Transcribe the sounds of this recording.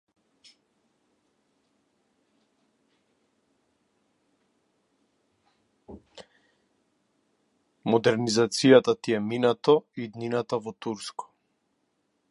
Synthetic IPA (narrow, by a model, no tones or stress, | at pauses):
mɔd̪ɛɾnizat̪sijat̪at̪iɛminat̪ɔiːd̪ninat̪avɔt̪uɾskɔ̥